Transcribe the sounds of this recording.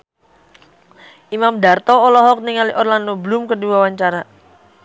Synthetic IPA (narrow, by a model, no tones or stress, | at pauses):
ʔimamdart̪ɔːlɔɦɔk̚niŋaliʔɔrlandoblumkəduwawaɲt͡ʃaɾa